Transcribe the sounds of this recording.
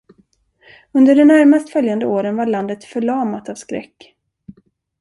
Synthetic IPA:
ɵnd̪əɖɛnæɾmast̪fœljand̪əoːɾənvaɭand̪ət̪fœɭɑːmat̪avskɾɛ̰kː

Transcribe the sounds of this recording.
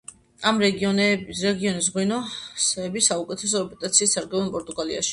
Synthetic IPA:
amɾɛɡɔɾɛɡiɔnis̬ʁwinɔsɛːbisaukʼɛt̪ʰɛs̬ɔɾɛpʼɛt̪ʼat̪sʰiːst̪saɾɡɛvɛnpʼɔɾt̪ʼuɡalḭa̰ʃi̥

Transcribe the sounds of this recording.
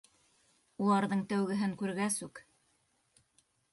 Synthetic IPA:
ulˠɑɾðɤɴt̪æwɡɘ̆ɦɘŋkʉɾɡæsʉk

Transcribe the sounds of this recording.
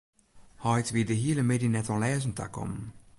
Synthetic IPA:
hɔjt̪ʋid̪əɦiːləmedinɛt̪ɔ̃lɛːzn̩t̪ʰa̰kʰɔ̰mn

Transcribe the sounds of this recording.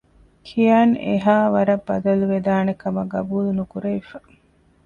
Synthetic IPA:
kʰijaːnḛɦaːʋɐɾɐbːɐd̪ɐluʋed̪aːnekɐmɐɡɐbuːlunukuɾeʋifɐ̥

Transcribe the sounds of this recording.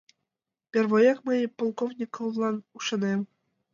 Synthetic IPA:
pʲerβojɑkməjpolˠkovnʲikovlˠɑnuʃɑnem

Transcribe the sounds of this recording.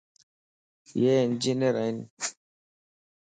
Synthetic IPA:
jɛnd͡ʒineɾajn

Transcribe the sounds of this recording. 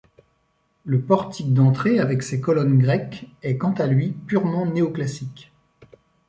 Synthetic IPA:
ləpɔʁt̪ʰik̚d̪ɑ̃t̪χeavɛksekɔlɔnɡʁɛkɛkɑ̃t̪alɥipyʁmɑ̃neoklasik

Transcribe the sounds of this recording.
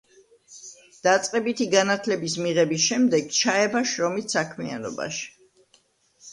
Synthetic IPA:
d̪̥at̪sʼqʼɛbit̪ʰiɡanat̪ʰlɛbismiʁɛbisʃɛmd̪ɛɡt͡ʃʰaɛbaʃɾɔmissakʰmia̰nɔ̰ba̰ʃi̥

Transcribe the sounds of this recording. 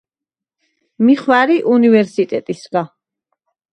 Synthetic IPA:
miχwaɾiʔunivɛɾsit̪ʼɛt̪ʼisɡa

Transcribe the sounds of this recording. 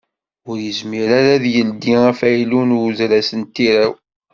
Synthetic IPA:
ʊɾjəzmiɾaɾæðjəld̪iæfæjlunzɾæsənt̪ːiɾæw

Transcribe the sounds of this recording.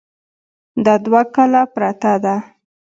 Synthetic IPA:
d̪ad̪wakalapɾat̪ad̪a

